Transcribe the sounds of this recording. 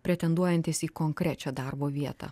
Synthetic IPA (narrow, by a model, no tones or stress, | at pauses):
pʲɾʲɛt̪ʲɛnd̪uɔjɛnʲt̪ʲɪsiːkoŋkɾʲæt͡ʃʲɛd̪ɑɾboːʋʲiɛt̪ɑ̰